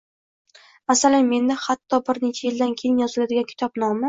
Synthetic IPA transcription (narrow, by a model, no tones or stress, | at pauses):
masalanme̞nːɪhat̪ʰːɒbɪɾne̞t͡ʃʰajɪld̪ankʲʰejɪmjɒzɪlad̪ɪɡʲankʰʊ̥t̪ʰɒp̚nɒmɪ